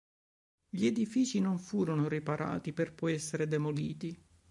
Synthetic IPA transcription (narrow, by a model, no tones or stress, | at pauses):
ʎied̪ifiːt͡ʃinoɱfuːɾonoɾipaɾʔa̰ːt̪iperpɔjɛsːeɾed̪emoliːt̪i